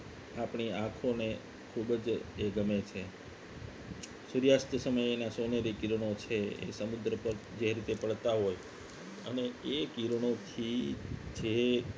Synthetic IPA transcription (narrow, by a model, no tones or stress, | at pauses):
apɳiãkʰone | kʰubd͡ʒeɡəmet͡ʃʰe | suɾjast̪əsəməjenasoneɾikiɾɽ̃ot͡ʃʰeḛsəmud̪ɾəpəɾd͡ʒeɾit̪epəɭt̪aɦoj | əneekiɾɽ̃ot̪ʰid͡ʒe